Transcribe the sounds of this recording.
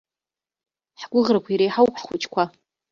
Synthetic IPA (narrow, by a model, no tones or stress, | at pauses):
ħɡʷʊʁrakʷʰaiɾejħawpʰħχʷʊt͡ʃʰʼkʷʰa